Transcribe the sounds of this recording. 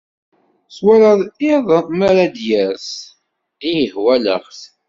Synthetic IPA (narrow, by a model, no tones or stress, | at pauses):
swaɾɑðˤɪðˤmaɾad̪jæɾs | ðijəhwælə̰χθ